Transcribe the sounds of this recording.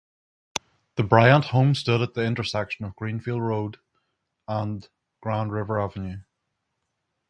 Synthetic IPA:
ðəbɹaɪə̃nʔhõmstʊɾət̪̚ðiɪ̃ntə˞sɛkʃə̃nəvɡɹĩnfilˠdɹod | ə̃n | ɡ̥ɹãʊ̃ndɹɪvə˞avə̃njʉ

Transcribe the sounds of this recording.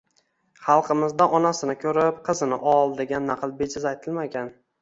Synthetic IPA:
χɑlˠqʰɨmɪzd̪aʔɒnasɪnɪkʲʰɵɾɪpqʰɨzɪnɪʔɒlˠd̪eɡʲanːaqʰɨlˠbed͡ʒɪzajt̪ʰɪlmaɡʲan

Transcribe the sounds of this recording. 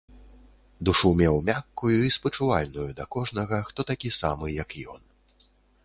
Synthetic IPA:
d̪uʂumʲɛwmʲakːujuispɐt͡ʂuvalʲnujud̪ɐkɔʐnɐɣɐxt̪ɔt̪akʲisamɨjɐkjɔ̰n

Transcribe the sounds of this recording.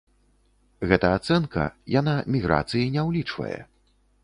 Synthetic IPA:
ɣɛt̪ɐat̪sɛnkʰɐ̰janamʲiɣɾʔa̰t̪sɨjinʲɛwlʲit͡ʂvɐ̰jɛ̰

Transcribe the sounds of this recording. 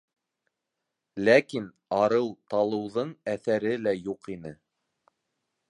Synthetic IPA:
lækin | ɑɾɤwt̪ɑlˠɤ̆wðɤɴæθæɾɘlæjuqinɘ

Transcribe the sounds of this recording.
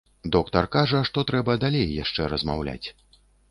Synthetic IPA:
d̪ɔkt̪ɐrkaʐɐʂt̪ɔt̪ɾɛbɐd̪alʲejːaʂt͡ʂɛɾɐzma̰wlʲa̰t͡sʲ

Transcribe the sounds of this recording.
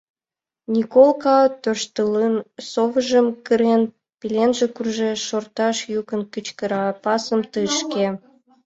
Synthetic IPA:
nʲikolkɑt̪ørʃt̪ələnsoβəʒəmkəɾen | pilenʒĕkurʒeʃort̪ɑʃjukənkət͡ɕkəɾɑpɑsəmt̪əʃke

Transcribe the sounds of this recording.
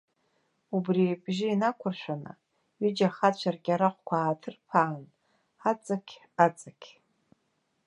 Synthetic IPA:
ubribʒɪinakʷʰʊrʃʷᶣana̰ | ɥid͡ʒaχat͡ɕʷʰarɡʲaɾaχʷkʷʰaːtʰɨrpʰaːn | at͡sʼakʲʰ | at͡sʼakʲʰ

